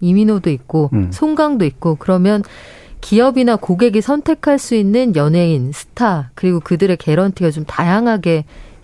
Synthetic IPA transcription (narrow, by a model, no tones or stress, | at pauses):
iminodoik̚k͈osʰoŋɡaŋdoik̚k͈okɯɾʌmjʌn | kiʌbinakoɡe̞ɡisʰʌntʰe̞kʰaɭs͈uinːɯnjʌne̞insʰɯ̥tʰakɯɾiɡokɯdɯɾe̞ke̞ɾʌntʰiɡat͡ɕomtajaŋɦaɡe̞